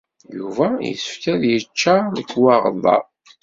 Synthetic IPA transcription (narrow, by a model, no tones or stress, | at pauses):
juvæjə̰səfkæðjət͡ʃːanəkːwɑʁðˤɑ̰ˤ